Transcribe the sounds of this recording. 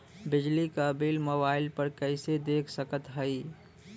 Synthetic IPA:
bɪd͡ʒlikabiːlmoːbaːɪlpəɾkəɪsed̪eːkʰsəkət̪ɦəi

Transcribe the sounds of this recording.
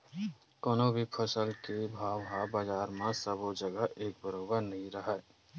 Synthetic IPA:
koːnõbʱipʰəsəlkebʱaːʋɦabaːd͡ʒaːɾmẽsəbod͡ʒəɡəʔeːk̚bəɾoːbəɾnɐɦĩɾəɦɛː

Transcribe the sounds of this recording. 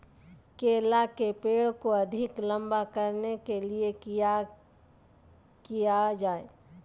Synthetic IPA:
keːlakepeːɽkoɐd̪ʱɪklə̃mbakɐɾnekeliea | kijad͡ʒaːeː

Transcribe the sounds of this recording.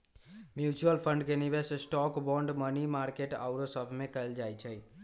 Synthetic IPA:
mjut͡ʃuəlpʰə̃ɳɖkeniʋessʈɔkbɔ̃ɳɖmənimaɾkeʈa̰ʊɾosəbʱmẽkəeld͡ʒajt͡ʃʰəj

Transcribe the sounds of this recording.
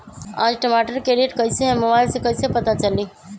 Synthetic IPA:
ã̰ːd͡ʒʈəmaːʈəɾkeɾieʈkəjseɦɛ̃mobaːɪlsẽkəjsepɐt̪at͡ʃɐlĩ

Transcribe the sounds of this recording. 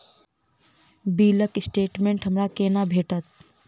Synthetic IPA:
biːləkɪsʈeːʈmẽɳʈɦəmɾakeːnabʱeːʈət̪̚

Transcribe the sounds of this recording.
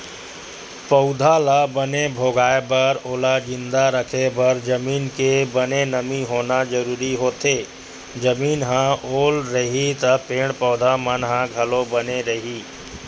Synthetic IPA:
pəʊd̪ʱalabənebʱoːɡaːebəɾoːlad͡ʒɪ̃nd̪aɾəkʰebəɾd͡ʒəmiːnkebənenəmiɦoːnad͡ʒəɾuːɾiɦoːt̪eː | d͡ʒəmiːnɦãoːlɾəɦit̪əpeːɽpəʊd̪ʱamənɦãɡʱəlõbəneɾəɦiː

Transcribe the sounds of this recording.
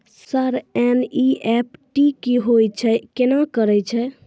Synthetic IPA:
səɾɛniɛp̚ʈikiɦojt͡ʃʰɛkenakəɾɛt͡ʃʰɛ

